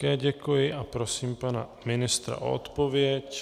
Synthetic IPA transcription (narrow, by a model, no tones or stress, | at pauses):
ɛɟɛkujɪʔapɾosiːmpanamɪnɪst̪ɾa̰ʔo̰o̰t̪povjɛc